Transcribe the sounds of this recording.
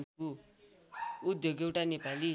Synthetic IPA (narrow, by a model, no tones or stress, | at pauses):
ku | ud̪joɡewʈanepali